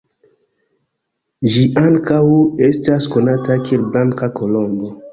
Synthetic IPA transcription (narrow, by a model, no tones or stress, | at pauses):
d͡ʒiʔaŋkawe̞stasko̞natakelblaŋkako̞lo̞mbo